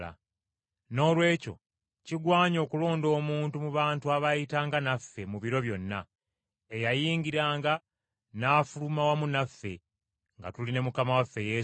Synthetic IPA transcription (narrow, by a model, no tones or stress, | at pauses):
a̰ | no̞ːlwe̞ːco̞̰ | ciɡwaːɲo̞ːkulo̞ːndo̞ːmuːntumuβaːntuaβajitaːŋɡanafːe̞muβiɾo̞βjo̞nːa̰ | ejajiːŋɡiɾaːŋɡa | naːfulumawamunafːe̞ | ŋɡa̰tuline̞mukamawafːe̞je̞